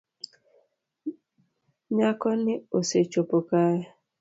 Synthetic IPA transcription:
ɲakɔnɪoset͡ʃopʊkaja

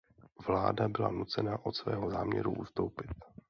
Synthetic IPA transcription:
vlaːdabɪla̰nut͡sɛnaʔo̞t̪svɛ̰ːɦo̞zaːmɲɛ̰ɾṵʔust̪owpɪt̪̚

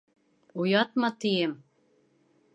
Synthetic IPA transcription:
ujɑt̪̚mɑt̪ijem

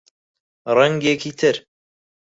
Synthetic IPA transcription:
ɾˤaŋɡekit̪ʰɪɾ

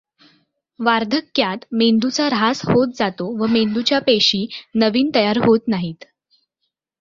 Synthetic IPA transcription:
ʋaɾd̪ʱəkːjat̪mend̪ut͡saɾɦashot̪̚d͡zat̪oʋəmend̪ut͡ɕjapeɕiːnəʋiːnt̪əjaɾɦot̪naɦiːt̪

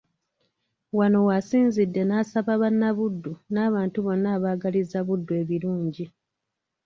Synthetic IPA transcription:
wano̞wasiːnzidːe̞naːsaβaβanːaβudːunaːβaːntuβo̞nːaːβaːɡalizaβudːue̞βiɾuːɲɟi

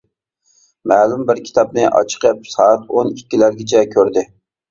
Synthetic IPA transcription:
mæːlumbɪɾkʲʰi̥t̪ʰɑp̚nɪʔɑ̰t͡ʃʰə̥qʰəp̚sɑːt̪onikʲːilæɾɡʲɪt͡ʃʰɛkʲʰøɾd̪ɪ

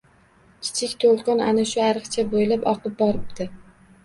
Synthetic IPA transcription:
kʲʰɪ̥t͡ʃʰɪkʲt̪ʰolˠqʰɑnanaʃʊaɾɨqt͡ʃʰabojlapɒqʰɨp̚bɒɾɪp̚d̪ɪ

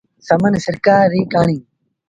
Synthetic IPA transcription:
səmənsəɾkaːɾːiːkaːɳĩː

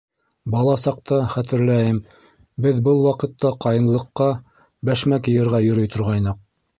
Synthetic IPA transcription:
bɑlˠɑsɑq̚t̪ɑχæt̪ɘ̆ɾlæjɘm | bɘðbɤlˠwɑqɤ̆t̪ːɑqɑjɤ̆nlˠɤ̆qːɑ | bæʃmækɘ̆jɘ̆ɾʁɑjɵ̆ɾɵ̆jt̪ʰŏɾʁɑjnɤq̚

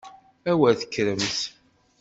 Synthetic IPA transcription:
æwæθə̥kːɾəmθ

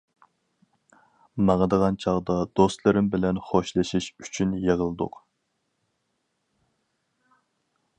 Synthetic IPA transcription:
mɑŋɑd̪əʁɑnt͡ʃʰɑʁd̪ɑd̪̥ost̪lˠɨɾɪmbɪlɛnχoʃlˠɨʃiʃy̥t͡ʃʰynjeʁəlˠɨd̪ʊ̰q

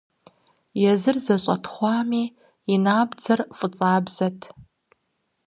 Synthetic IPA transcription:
jɛzɨrzɐɕʼɐ̰tʰχʷɑːmiː | inaːbd͡zɐrfʼɨt͡sʼaːbz̥ɐtʰ

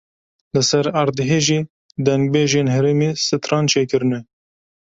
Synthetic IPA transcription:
lɨsɛɾɑɾd̪ɨɦeːʒiː | d̪ɛŋɡ̚beːʒeːnhɛɾeːmeːsɨt̪ɾɑːnt͡ʃʰeːkɨɾɨne

